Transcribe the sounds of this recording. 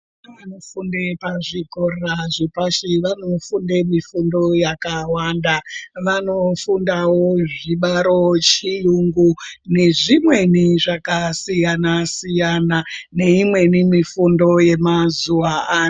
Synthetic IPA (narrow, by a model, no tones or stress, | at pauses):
anofundepaʐikorraʐipaʃiʋano̞funde̞mifundo̞jakawandaʋano̞fundawoʐiɓaɾo̞t͡ʃijuŋɡune̞ʐimwe̞niʐakasijanasijanane̞imwe̞nimifundo̞je̞mazuwaaː